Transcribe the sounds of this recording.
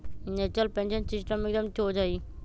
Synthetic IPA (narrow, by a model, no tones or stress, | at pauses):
neːt͡ʃəlpẽnʃənsɪsʈəmek̚d̪əmt͡ʃoːd͡ʒaːiː